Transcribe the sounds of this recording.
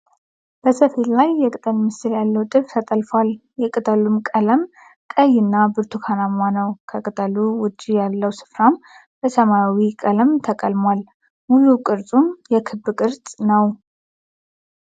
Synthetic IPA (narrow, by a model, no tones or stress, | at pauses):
b̥əsəfillajːɛkʼɨt̪ʼəlmɨsɨljalːəwt̪ʼɨβt̪ʰət̪ʼəlfwaljɛkʼɨt̪ʼəlumkʼələm | kʼəjɨnːabɨɾt̪ʰukʰanamanəwkʰəkʼɨt̪ʼəluwʊd͡ʒːijalːəwsɨ̥fɾam | b̥əsəmawikʼələmt̪ʰəkʼəlmwal | mujukʼɨɾt͡sʼumjɛkʰɨbːɨkʼɨɾt͡sʼnəw